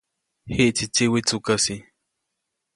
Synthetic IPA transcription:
hiʔt͡sit͡ʃiwit͡sukasi

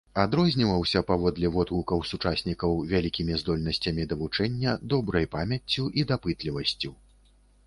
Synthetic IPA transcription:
ad̪ɾɔzʲnʲivɐwsʲɐpavɔd̪lʲɛvɔt̪lukɐwsut͡ʂasʲnʲikɐwvʲalʲikʲimʲizd̪ɔlʲnɐsʲt͡sʲɐmʲid̪ɐvut͡ʂɛnʲːɐd̪ɔbɾɐjpamʲjɐt͡sʲːuʔid̪apɨt̪lʲivɐsʲt͡sʲu

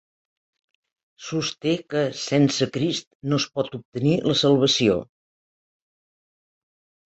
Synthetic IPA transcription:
sust̪ekəsɛnsəkɾist̪nospɔt̪up̚t̪əniləsəlˠβ̞əsio̰

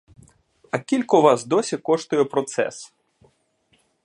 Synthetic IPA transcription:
ɐkʲilʲkɔʋazd̪ɔsʲikɔʂt̪ʊjɛpɾɔt̪sɛ̰s

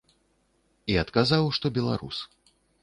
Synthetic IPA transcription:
iɐt̪kazawʂt̪ɔbʲɛlˠa̰ɾṵs

